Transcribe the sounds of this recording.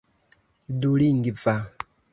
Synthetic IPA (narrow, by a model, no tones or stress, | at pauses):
iduliŋɡibva